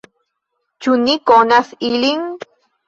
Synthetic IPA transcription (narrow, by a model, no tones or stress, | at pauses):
t͡ʃunikonasiliŋ